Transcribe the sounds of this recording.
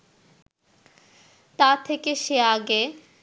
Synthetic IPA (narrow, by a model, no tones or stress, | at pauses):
t̪at̪ʰekeʃeaɡe